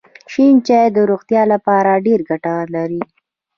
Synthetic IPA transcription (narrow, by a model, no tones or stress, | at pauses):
ʃint͡ʃajd̪əɾoɣt̪jɑlapɑɾaɖeɾɡaʈalaɾi